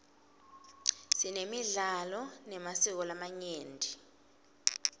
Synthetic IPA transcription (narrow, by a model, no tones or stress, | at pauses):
sinemiɮalɔnɛmasik̬ɔlamaɲeːndʱi